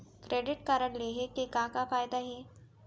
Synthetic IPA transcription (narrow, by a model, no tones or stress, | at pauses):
kɾʔeːɖɪʈkaːɾəɳleɦekekãːkafaːjd̪aɦɛː